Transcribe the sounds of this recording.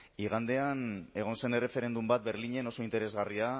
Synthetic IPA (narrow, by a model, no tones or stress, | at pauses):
iɣ̞and̪e̞ane̞ɣ̞o̞nse̞ne̞refe̞ɾe̞nd̪umbat̪̚be̞ɾliɲe̞no̞so̞int̪e̞ɾe̞zɣaria